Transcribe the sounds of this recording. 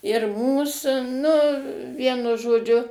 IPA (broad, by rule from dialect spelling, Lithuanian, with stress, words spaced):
ɪr ˈmuːs ˈnʊ ˈʋʲiɛnʊ ʒoːˈd͡ʒʲʊ